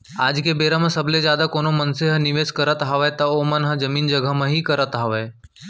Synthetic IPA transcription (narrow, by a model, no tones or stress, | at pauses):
aːd͡ʒkebeːɾəmə̃sɐbled͡ʒjaːd̪akoːnomɐnseɦənɪʋeːskɐɾət̪ɦaʋət̪ɐomɐnɦəd͡ʒɐmiːnd͡ʒəɡəmə̃ɦikɐɾət̪ɦaʋeː